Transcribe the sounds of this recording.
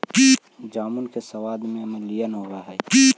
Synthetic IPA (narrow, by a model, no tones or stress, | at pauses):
ki | d͡ʒaːmunkesɐwaːd̪mẽɐmɐlijənɦoɾaɦɛki